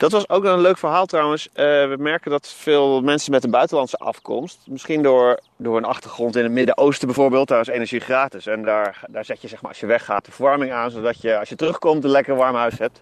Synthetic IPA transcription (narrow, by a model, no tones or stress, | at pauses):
d̥ɑtʋɑsowk̚nɔχənløɥkfəɹɦaːlˠtrɑwənsəʋəmɛɹkəndɑtfɪːlˠmɛnsənmɛtdəbœɥtəlɑntsəʔɑ̰fkɔ̰mstmɪsχindʊːɹ | dʊːɹənɑχtəɹχrɔntɪnətmɪdəʔowstəbɛjvʊːɹbeːlˠt̚aːɹɪsenɛɹʒiχraːtɪsɛndaːɹdaːɹzɛtjəzɛχmaːɹɑ̰sjəʋɛχa̰ːt̚dəfʋɔɹmɪŋaːnzodɑtjəɑsjətərɵχkɔmtənlɛkəɹʋɑɹmɦœɥsɦɛp̚t